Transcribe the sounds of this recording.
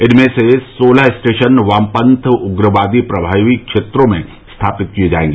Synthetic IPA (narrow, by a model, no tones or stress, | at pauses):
ɪnmẽsesoːlaɦɪsʈeːʃənʋaːmpə̃nt̪ʰʊɡɾəʋaːd̪ipɾɐbʱaːʋikʃeːt̪ɾõmẽ | st̪ʰaːpɪt̪̚kied͡ʒa̰ːḛ̃ːŋɡiː